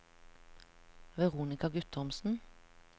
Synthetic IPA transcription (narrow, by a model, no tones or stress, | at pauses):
ʋɛʁuːnɪkɑɡʉt̪ɔmsn̩